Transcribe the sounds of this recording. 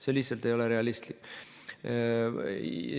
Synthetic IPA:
selihsɑlt̪e̞jo̞le̞ɾe̞ɑlist̪likː

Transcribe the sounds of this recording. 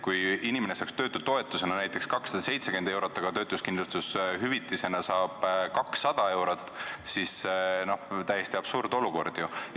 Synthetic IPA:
kujinimene̞sɑːkst̪øːt̪ːˑud̪̥̚t̪ːo̞e̞t̪ːˑuse̞nɑnæjt̪ˑːe̞kskɑksɑd̪ɑse̞jt̪se̞kend̪e̞wɾot̪ːˑɑɡ̥ɑt̪ø̞ːt̪ːˑuskind̪lust̪usɦyvit̪ːˑise̞nɑsɑːb̥kɑksːɑd̪̥ɑe̞wɾot̪ːˑsisno̞ht̪æjːest̪iɑb̥suːɾd̪̥o̞luko̞̰rd̪̥ju

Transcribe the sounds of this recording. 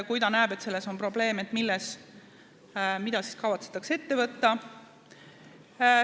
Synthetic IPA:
kujt̪ɑnæːbe̞t̪se̞lːe̞so̞npro̞ble̞ːmet̪ːˑmilːes | mid̪̥ɑsi̥skɑvɑt̪se̥t̪ːˑɑkse̞t̪ːe̞vɤt̪ːɑ

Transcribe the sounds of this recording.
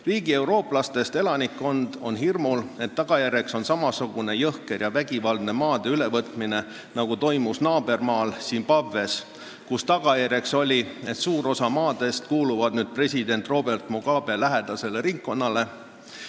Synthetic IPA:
riːɡ̥ie̞wɾo̞ːplɑst̪e̞st̪e̞lɑnikːo̞nd̪̥o̞nɦirmule̞t̪ːɑɡ̥ɑjærʲje̞kso̞nsɑmɑsuɡ̥une̞jɤhke̞rjɑvæɡ̥ivɑld̪̥ne̞mɑːd̪̥e̞yle̞vɤt̪mine̞ | nɑɡ̥ut̪o̞jmusnɑːb̥e̞rmɑːlsiːnpɑvːe̞s | kust̪ɑɡ̥ɑjærje̞kso̞lʲie̞t̪suːɾo̞sɑmɑːd̪̥e̞st̪̚kuːluvɑd̪̥nyːd̪̚pre̞sʲid̪e̞nt̪ˑro̞be̞rt̪moɡ̥ɑːb̥e̞læɦe̞d̪̥ɑse̞le̞ɾiŋkko̞nːɑle̞

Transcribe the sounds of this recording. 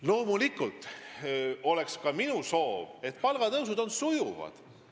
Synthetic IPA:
lo̞ːmulikˑult̪ˑ | o̞le̞kskɑminuso̞ːve̞t̪ˑpɑlɡ̥ɑd̪ɤws̬ud̪̥o̞nsujuvɑ̰d̪̥

